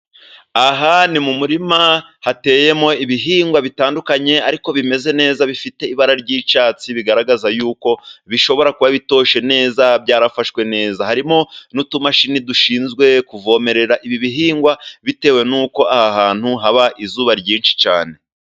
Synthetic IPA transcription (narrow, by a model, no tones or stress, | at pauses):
aɦanimumuɾimahate̞ːje̞mo̞iβiɦiːŋɡwaβitaːndukaɲe̞aɾiko̞βime̞ze̞ne̞ːzaβifite̞iβaɾaɾɟiːt͡ʃaːt͡siβiɡaɾaɡazajuːko̞βiʃo̞βo̞ɾakuβaβito̞ːʃe̞ne̞ːzabɟaːɾafaʃkwe̞ne̞ːzahaɾimo̞nutumaʃiniduʃiːnzɡwe̞kuvo̞ːme̞ɾe̞ɾaʔiβiβiɦiːŋɡwaβite̞ːwe̞nuːko̞ahahaːn̥huɦaβaʔizuːβaɾɟiːnʃi̥t͡ʃa̰ːne̞